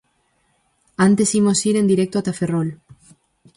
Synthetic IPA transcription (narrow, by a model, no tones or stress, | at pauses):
ant̪esimosiɾend̪iɾek̚t̪oat̪aferol